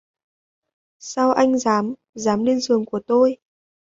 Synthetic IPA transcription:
saː˧wʔa˧jŋ̟zaː˨˦m | zaː˨˦mli˧ənzɨ˨˩əŋku˧˩ət̪o˧j

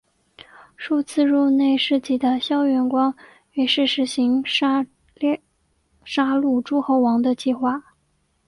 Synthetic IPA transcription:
ʂu˥˧t͡sʰɹ̩˥˧ɻu˥˧ne˥˧ɪʂɻ̩˥˩t͡ɕi˥˩d̪ə˨ɕjɑ˥ʊɥɛ˧˥nkwɑ˥ŋ | ɛ˧˩ɪʂɻ̩˥˩ʂɻ̩˧˥ɕi˧˥ŋ˥˧ | ʂa˥lu˥˩ʈ͡ʂu˥xo˧˥ʊwɑ˧˥ŋd̪ə˧t͡ɕi˥˧xwa˥˩

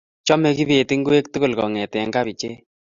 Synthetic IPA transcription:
t͡ʃɔ˦mɛ˦ki˦be˨ti˦ŋɡu˦e˦k̚tu˦ko˨lkɔ˨ŋɛ˨tɛ˨ŋɡa˦βi˨t͡ʃe˦

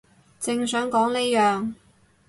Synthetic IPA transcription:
t͡sɪ˧ŋsœː˨˥ŋkɔː˨˥ŋne˥jœː˨ŋ

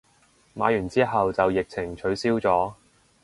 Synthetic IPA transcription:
maː˨˧jyː˨˩nt͡siː˥ɦɐ˨wt͡sɐ˨wjɪ˨k̚t͡sʰɪ˨˩ŋt͡ʃʰɵ˨˧ɥsiː˥wt͡sɔː˨˥

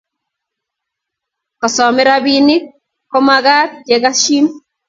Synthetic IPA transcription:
kɔ˨sɔ˨mɛ˦ɾa˦binɪ˦ | kɔ˦maɡa˦t̚ke˨ɡa˦ʃi˦m

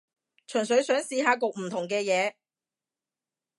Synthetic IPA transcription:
t͡ʃʰɵ˨˩nsɵ˨˥ɥsœː˨˥ŋsiː˧ɦaː˨˧kʊ˨k̚m̩˨˩t̪ʰʊ˨˩ŋk̬ɛː˧jɛː˨˧

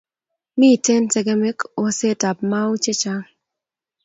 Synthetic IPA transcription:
mi˦˨te˦ntɛ˨ɡe˦me˦ko˨se˦ta˨p̚ma˦o˦t͡ʃe˦t͡ʃa˦

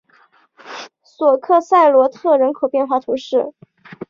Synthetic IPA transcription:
swɔ˨˩kʰɤ˥˧sa˥˩ɪlwɔ˧˥t̪ʰɤ˥˩ɻə˧˥nkʰo˨˩ʊpjɛ˥˧nxwa˥˩t̪ʰu˧˥ʂɻ̩˥˩

